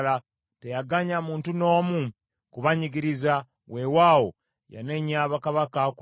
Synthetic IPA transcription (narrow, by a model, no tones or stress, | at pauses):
la | tejaɡaɲamuːntuno̞ːmu | kuβaɲiɡiɾiza | we̞waːwo̰ | ja̰ne̞ɲaːβakaβakak